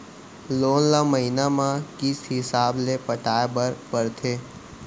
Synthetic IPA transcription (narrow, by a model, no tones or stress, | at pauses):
loːnlaməɦinamãkɪsɦɪsaːblepəʈaːebəɾpəɾt̪ʰeː